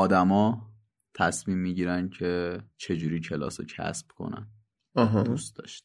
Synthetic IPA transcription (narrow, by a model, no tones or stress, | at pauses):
ɒːd̪æmɒː | t̪ʰæsmiːmːiːɟiːɾænd̪̥cʰe̞t͡ʃʰe̞d͡ʒuːɾiːcʰe̞lɒ̰ːsocʰæ̰sb̥kʰo̞̰næ̰n | ɒɦdust̪̚d̪ɒ̰ːʃt̪